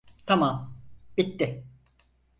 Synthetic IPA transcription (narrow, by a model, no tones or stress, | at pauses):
t̪ʰamamb̥it̪ːɪ